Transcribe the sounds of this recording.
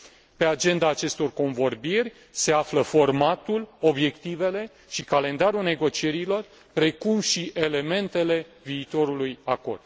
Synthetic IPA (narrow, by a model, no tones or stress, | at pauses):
pe̞ad͡ʒe̞nd̪aːt͡ʃe̞st̪o̞rko̞nvo̞rbirʲ | se̞afləfo̞rmat̪ulo̞bje̞kt̪ive̞le̞ | ʃikale̞nd̪aɾulne̞ɡo̞t͡ʃie̞ɾilo̞r | pɾe̞kumʃiʔe̞le̞me̞nt̪e̞le̞viːt̪o̞ɾulujako̞̰rd̪̥